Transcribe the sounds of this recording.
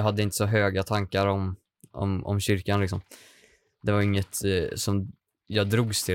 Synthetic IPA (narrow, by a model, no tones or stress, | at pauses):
ɑɦad̪ːəɪnt̪əsɔɦøːɡat̪ʰaŋkaɾɔm | ɔ̰mɔ̰mɕʏɾkanlɪksɔm | d̪ɛvaɾɪŋːət̪sɔm | jɑd̪ɾuːɡst̪ʰɪ